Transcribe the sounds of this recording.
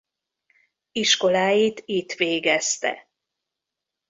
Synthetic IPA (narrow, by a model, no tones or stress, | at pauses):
iʃko̞laːjit̪it̪ʋeːɡɛst̪ɛ̰